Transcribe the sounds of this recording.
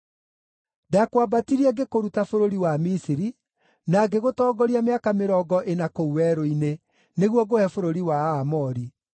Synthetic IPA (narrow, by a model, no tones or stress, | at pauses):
dakwabatiɾiɛɡekoɾutafoɾoɾiwamisiɾi | naɡeɣotɔːɡɔɾiameakameɾɔːɡɔʔenakouwɛɾoine | neɣwɔɡohɛfoɾoɾiwaːmɔɾi